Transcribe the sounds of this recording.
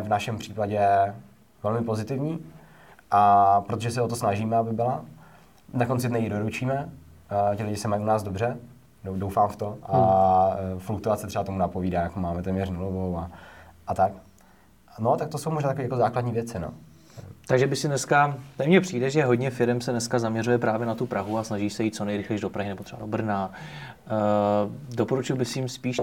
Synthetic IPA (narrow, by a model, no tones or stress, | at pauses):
vnaʃɛmpr̝̥iːpaɟɛ | vɛlmɪpo̞zɪt̪ɪvɲiː | ʔapɾot̪oʒɛs̬ɛot̪osnaʒiːmɛabɪbɪla | nako̞nt͡sɪt̪nɛjidoɾut͡ʃiːmɛ | cɪlɪɟɪsɛmajunaːzdo̞brɛ | do̞wfaːmft̪o̞ʔa | fluk̚t̪uat̪sɛt̪rɛbat̪o̞munapo̞viːdaːmjakomaːmɛt̪ɛːmɲɛrnulovowaʔat̪ak | not̪akt̪osowmoʒnaːt̪akoviːjakozaːkladɲiːvjɛt͡sɪno̰ | t̪aɡʒɛbɪxsɪnɛskat̪ɛmɲɛpr̝̥iːdɛʒɛɦo̞ɟɲɛfɪɾɛmsɛnɛskazamɲɛrujɛpɾaːvjɛnat̪upɾaɦuasnaʒiːsɛjiːt̪t͡so̞nɛjɾɪxlɛjʒdo̞pɾaɦɪnɛbot̪r̥ɛbado̞br̩naː | do̞po̞ɾut͡ʃɪlbɪxsɪɪmspiːʃ